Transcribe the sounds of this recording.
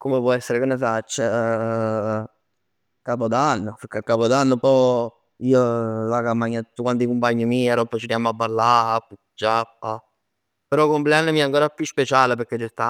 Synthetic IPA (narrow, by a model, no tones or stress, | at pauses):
komepwɔɛsːeɾekenːefat͡ʃːe | kapod̪anːopekːekːaːpod̪anːopɔ | iːolakampːaɲːat̪ːu̥t̪ːokwant̪ikumpaɲːimiaɾɔpːɾet͡ʃiɾjamoabːalːapːu | d͡ʒapːa | peɾɔkːompleanːemiɛaŋkoːɾapjuspet͡ʃaːlep̬eɾk̟et͡ʃːest̪a